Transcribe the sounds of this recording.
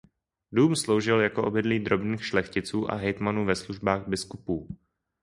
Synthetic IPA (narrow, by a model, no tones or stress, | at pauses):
duːmslowʒɪljakoʔo̞bɪdliːd̪ɾo̞bniːxʃlɛxcɪt͡suːʔa̰ɦɛjt̪manuːvɛsluʒbaːɣbɪskupuː